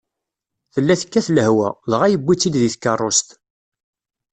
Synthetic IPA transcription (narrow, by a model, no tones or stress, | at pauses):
θəlːæθə̥kːæθləhwæ̰lʁæjəbːit͡sːid̪ðiθkːɑrˤːost̪